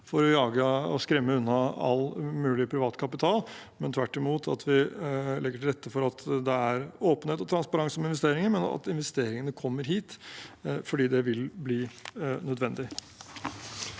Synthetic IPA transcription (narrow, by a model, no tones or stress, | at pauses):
fɔɾɔjɑːɡəɔskɾɛmːəʉnːɑɑ̰lmʉːlɪpʰɾɪʋɑːt̪kʰɑpɪt̪ʰɑːlmɛnt̪ʰʋæʈːɪmuːt̪ʰɑ̰t̪ʰʋɪlɛɡːəʈɪlɾɛt̪ːəfɔɾɑt̪d̪ɛæɾoːpənheːt̪ɔt̪ʰɾɑnspɑɾɑŋsɔmɪnʋɛst̪eːɾɪŋəmɛnɑ̰t̪ɪnʋɛst̪eːɾɪŋənəkʰɔmːəɾɦiːt̪ | fɔɖiːd̪ɛʋɪlbliːnœd̪ʋɛnd̪ɪ